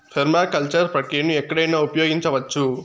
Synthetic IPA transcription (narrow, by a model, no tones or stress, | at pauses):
pʰɐɾmaːkɐlt͡ʃɐɾpɾɐkɾinːuɛkːɐɽɐjnːɐupɐjoːɡiɲt͡ʃɐʋɐt͡ʃːu